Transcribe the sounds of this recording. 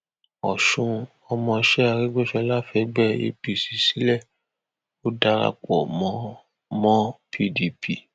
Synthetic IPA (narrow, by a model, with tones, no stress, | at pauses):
ɔ̰˨ʃũ˧ | ɔ˧mɔ̃˧ʃɛ˦a˧ɾi˦ɡ͡bo˦ʃɛ˧˦la˦fɛ˨˦ɡ͡bɛ˦ḛ˧bi˨si̥˨si˨˦lɛ˦˨ | o˦da˧ɾa̰˧k͡pɔ˨mɔ̃˨˦ | mɔ̃˦pʰi˧di˧pʰi˨